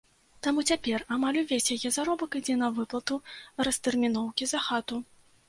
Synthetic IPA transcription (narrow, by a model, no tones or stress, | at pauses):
t̪amut͡sʲapʲɛramalʲuvʲesʲjajɛzaɾɔbɐkɨd͡zʲɛn̪ɐvɨplˠɐt̪urɐst̪ɛrmʲin̪ɔwkʲizɐxat̪u